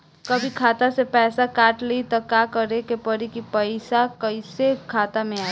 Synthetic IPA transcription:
kəbʱikʰaːt̪asepɛːsakaːʈlit̪ɔkakəɾekepəɾikipəɪsakəɪsekʰaːt̪amẽaːi

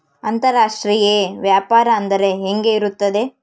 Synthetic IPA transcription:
ɐnt̪ɐɾaːʂʈɾijeʋjaːpaːɾɐːnd̪ɐɾe̞ɦeŋɡe̞iɾut̪ːɐd̪e̞

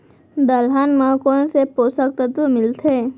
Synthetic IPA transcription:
d̪əlɦanmakoːnsepoːsək̚t̪ət̪wəmɪlt̪ʰeː

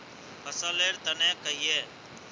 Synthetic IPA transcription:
əsəleːɾt̪ənɛ̃ːkəiːeː

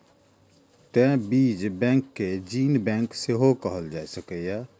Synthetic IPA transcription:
t̪ɛ̃biːd͡ʒbɛ̃ːŋkːed͡ʒiːnbɛ̃ːŋkseɦokəɦəld͡ʒaːɛsəkəja

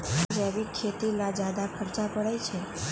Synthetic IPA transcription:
d͡ʒaʋikʰːet̪ilad͡ʒad̪apʰəɾt͡ʃapəɽajt͡ʃʰe

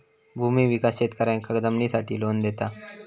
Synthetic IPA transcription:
bʱuːmiʋikasɕeːt̪kəɾãkəkd̪əmnisaʈʰiːloːnd̪et̪a

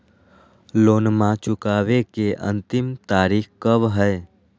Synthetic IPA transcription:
loːnmãt͡ʃʊkaːʋekeʔə̰̃nt̪ɪmt̪aːɾiːkkəʋɦəe

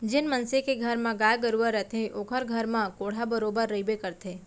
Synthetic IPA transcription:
d͡ʒenmənsekeɡʱəɾmãɡajɡəɾuʋəɾət̪ʰeʔokʰəɾɡʱəɾmãkoɽ̤abəɾobəɾːəibekəɾt̪ʰe

